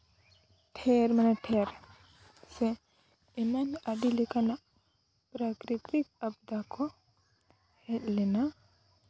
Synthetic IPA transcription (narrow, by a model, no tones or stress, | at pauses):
ʈʰɛɾmanɛʈʰɛɾ | sɛ | ɛmanaɖilɛkanaʔ | pɾakɾit̪ikabd̪akɔ | hɛt̪̚lɛna